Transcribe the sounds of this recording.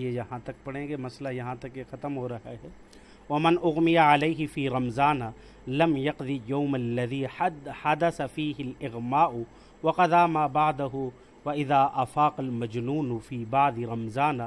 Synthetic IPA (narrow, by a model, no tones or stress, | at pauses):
jejɐɦãːt̪ɐk̚pɐɽ̤ẽːɡemɐslajɐɦãt̪ɐkjexɐt̪mɦoːɾɐɦaɦɛː | wɐmɪnʔʊɣmɪjaʕaleːɦɪfiːɾɐmzaːnaː | lɐmjɐqd̪ijawmalːɐðiːhad̪ɐsafiːɦɪlɪɣmaːʔʊ | wɐqɑd̪aːmaːbaʕd̪ɐɦʊ | wɐʔɪðaːʔɐfaːqɐlmɐd͡ʒnuːnʊfiːbaʕd̪ɪɾɐmzaːnaː